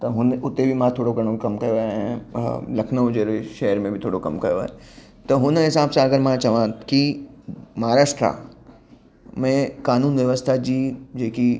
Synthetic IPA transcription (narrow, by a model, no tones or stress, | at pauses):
t̪ɐɦʊnʊt̪ːebʱimãt̪ʰoːɽokɐɾ̃okɐmkɐjoɦẽlɐkʰnəd͡ʒeːɾiʃɛːəɾmẽbʱit̪ʰoːɽokɐmkɐjo | t̪ɐɦʊnɦɪsaːbsãɐɡəɾmãt͡ʃɐʋãki | mɐɦaɾaːʃʈɾa̰ | mẽkaːnuːnʋjɐʋəst̪ʰad͡ʑiːd͡ʒeːki